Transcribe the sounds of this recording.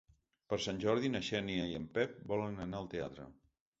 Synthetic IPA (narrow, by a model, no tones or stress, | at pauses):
pəɾsanʲʒɔɾðinəʃɛniəiəmpɛp̚bɔlənənaəlˠt̪ea̰t̪ɾə̰